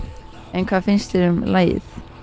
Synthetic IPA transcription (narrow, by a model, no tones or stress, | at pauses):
ɛnkʰv̥aːðfɪnst̪ɛɾʏmlaːj̰θ